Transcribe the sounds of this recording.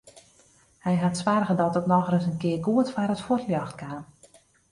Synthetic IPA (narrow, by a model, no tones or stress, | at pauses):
hɛjɦatsʋarɣədɔtətnɔxrənsənkɪərɡuətfarətfotljɔxtkaːn